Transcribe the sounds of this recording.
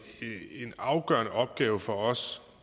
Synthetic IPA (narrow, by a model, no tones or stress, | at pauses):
enɑ̈ʊɡ̥ɶɐnəʔɒ̽b̥̚ɡ̥ɛːʊəfɒ̽ɒ̽s